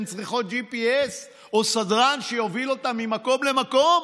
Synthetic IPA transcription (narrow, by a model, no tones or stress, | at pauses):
nt͡sʁiχo̞t̪̚d͡ʒipies | osadʁanʃejo̞vilo̞tamːimako̞mle̞mako̞m